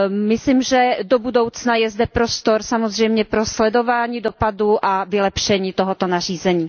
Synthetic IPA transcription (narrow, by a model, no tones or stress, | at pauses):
mɪsliːmʒɛdobudowt͡snajɛzdɛpɾost̪oɾsamozr̝ɛjmɲɛpɾoslɛdo̞vaːɲiːdopaduʔavɪlɛpʃɛɲiːt̪oɦot̪onar̝iːzɛɲiː